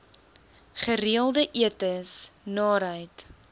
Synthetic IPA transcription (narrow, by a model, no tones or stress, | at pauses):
χəɾiəlˠdəʔiətəsnɑːɾɦəjt